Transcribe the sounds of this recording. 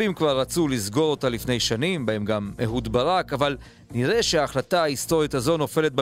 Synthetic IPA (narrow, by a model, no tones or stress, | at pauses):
imkvaʁːat͡sulizɡo̞ʁo̞talifne̞jʃanimbae̞mɡamehudbaʁakaval | niʁeʃeaːχlataaisto̞ʁjitazo̞no̞fe̞le̞t̪̚b